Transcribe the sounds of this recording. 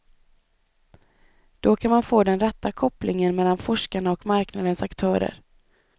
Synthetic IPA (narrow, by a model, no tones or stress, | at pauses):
d̪̥ɔkʰanmanfoːd̪ɛnɾɛt̪ːakʰɔplʔɪŋənmɛlːanfɔʂkaɳaɔkmaɾknad̪ənsakt̪ʰœːɾə̰ɾ